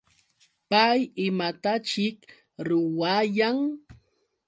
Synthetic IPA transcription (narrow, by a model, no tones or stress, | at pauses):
pajɪmat̪at͡ʃɪk | ɾʊwajaŋ